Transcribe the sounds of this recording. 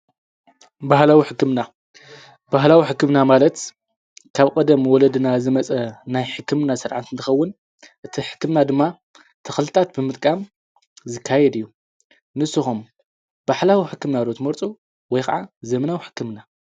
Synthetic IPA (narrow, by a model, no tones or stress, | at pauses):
bahlawiħɨkːɨmna | b̥aɦlawiħɨkːɨmnamalɐt̪ | kʰaβkʼɐd̪ɐmwɔlɐd̪ɨnazɨmɐt͡sʼɐnajħɨkːɨmnasɨɾʕat̪ɨnt̪ʰɨ̥xɐwːʊn | ʔɨt̪ʰiħɨ̥kːɨmnad̪ɨmːa | t̪ʰɐxlt̪ʰat̪̚bɨmɨt̪ʼkʼam | zɨkʰːajɛd̪ɨjːu | nɨsːɨxum | b̥aħlawiħɨkːɨmnaɾot̪mɐɾt͡sʼu | wɔjka̰ʕazɐmɐnawiħɨ̥kːɨmna